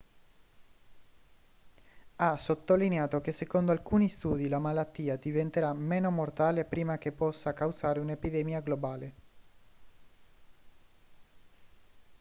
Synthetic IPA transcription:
asot̪ːolineaːt̪ok̟esːekond̪oalkuːnist̪uːd̪ilamalat̪ːiːad̪ivent̪eɾameːnomort̪aːlepɾiːmak̟epːɔsːakawsaːɾeunepid̪emiaɡlobaːle

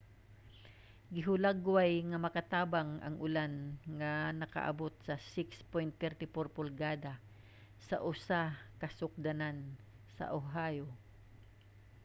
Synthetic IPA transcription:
ɡɪɦʊlaɡwajŋɐmɐkat̪aːbaŋʔɐ̰ŋʔʊlanŋanɐkɐ̰ʔa̰bot̪̚sɐsɪkspojnt̪ːɛɾt̪ɪfoɾpʊlɡaːd̪a | sɐʔʊsakɐsʊk̚d̪anan | sɐ̰ʔoɦajo

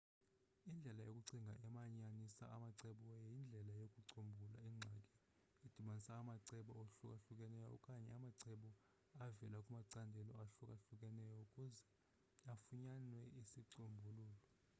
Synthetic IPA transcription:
ind͡ɮʱɛlajokʼuǀiŋɡʱaʔɛmaɲanisa̰amaǀɛɓɔjejind͡ɮʱɛlajokʼuǀombʱulaiŋ͡ǀʱakʼɛ | ed̥ʱiɓanisaːmaǀɛɓɔoɬukʼaɬukʼɛnɛjɔ̰kʼaɲɛamaǀɛɓɔ | avɛlakʼumaǀandʱɛlɔ̰aɬukʼaɬukʼɛnɛjɔukʼuzɛ | afuɲanwɛisiǀombʱuluːlɔ

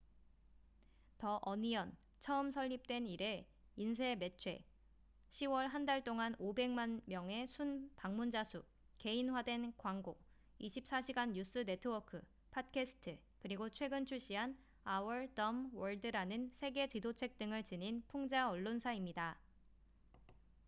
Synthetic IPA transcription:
tʌʔʌnijʌn | t͡ɕʰʌɯmsʰʌʎːip̚t͈we̞niɾe̞ | insʰe̞me̞t͡ɕʰwe̞̰ | ɕʰiwʌɭɦandaɭt͈oŋanobe̞ŋmanmjʌŋe̞sʰunpaŋmund͡ʑasʰu | ke̞inɦwadwe̞nkwaŋɡo | iɕʰip̚s͈aɕʰiɡanːus͈ɯne̞tʰɯwʌkʰɯ | pʰat̚kʰesʰɯ̥tʰɯ | kɯɾiɡot͡ɕʰwe̞ɡɯnt͡ɕʰuɕ͈iɦan | awʌɭdʌmwʌɭdɯɾanɯnsʰe̞ɡe̞t͡ɕidot͡ɕʰe̞k̚t͈ɯŋɯɭt͡ɕɯninpʰuŋd͡ʑaʌɭːonsʰaimɲida

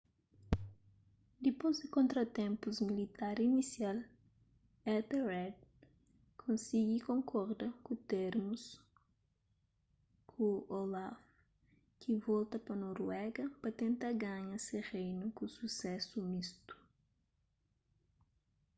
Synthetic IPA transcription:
d̪epozd̪ɪkõnt̪ɾɐt̪ẽmpuzmilit̪aɾinisjal | ɛt̪erɛd̪̚ | kʰõnsiɡikõŋkʰɔɾd̪ɐkut̪eɾmus | kʰuolaf | kʰivɔlt̪ɐpɐnoɾwɛɡɐpɐt̪ẽnt̪aɡaɲɐseʁejnukususɛsumist̪u̥

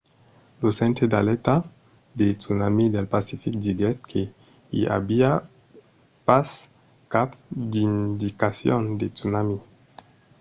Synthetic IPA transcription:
losent̪ed̪alɛt̪a | d̪et͡sunamid̪elpasifik̚d̪iɡɛt̪̚kʰe | ḭa̰bia | pas | kap̚d̪ind̪ikasjond̪et͡sunami

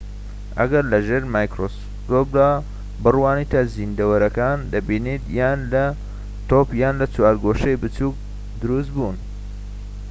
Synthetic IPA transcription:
ɐ̰ɡɐɾlɐʒeːɾmaːjkɾos | t̪ob̚d̪aː | bɨrwaːnit̪ʰɐzind̪ɐwɐɾɐkaːnd̪ɐbiːnit̪jaːnlɐ | t̪opjaːnlɐt͡swaːɾɡoʃejbɨt͡suk̚ | d̪ɨɾust̪̚bun

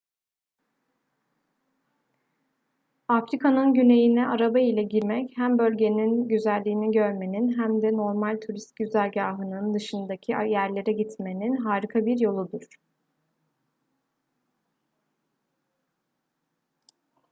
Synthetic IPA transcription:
afɾikʰanɯnɟyne̞jinɛʔaɾabailʲɛɟiɾmɛchæmbø̞lʲɟe̞ninɟyzælʲːiːniɟøɾme̞ninɦæmd̪ɛno̞ɾmalʲt̪ʰuɾist̪̚ɟyzælʲɟaːɦɯnɯnd̪ɯʃɯnd̪acʰiajæɾlʲe̞ɾɛɟit̪me̞ninɦaːɾikʰabiɾjo̞lˠud̪uɾ̥

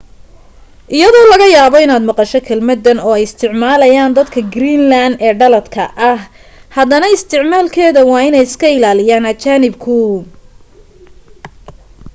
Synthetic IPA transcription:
ʔɪjɐðɔːlɐɣɐjaːβɔɪnaːd̪mɑqɑʃɔkʰɛlmɐd̪ːɐnɔːɛjɪst̪ʰɪʕmaːlɐjaːnd̪ɐd̪kʰɐɡɾiːnlaːnd̪ɛːɖɐlɐt̪kʰɐ̰ʔɐh | hɐðɐnɐɪst̪ʰɪʕmaːlkʰɛːðɐwɑːɪnɛjɪskʰɐɪlaːlɪjaːnɐt͡ʃaːnɪbkʰʊ

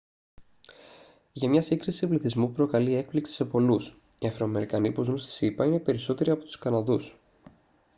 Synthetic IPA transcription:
ʝɐmɲɐsiŋɡɾisipliθizmupɾo̞kɐlie̞k̚pliksi̥se̞po̞lus | iɐfɾo̞ːme̞ɾikɐnipuzunst̪i̥sipɐine̞pe̞ɾiso̞t̪e̞ɾiɐpo̞t̪u̥skɐnɐðus

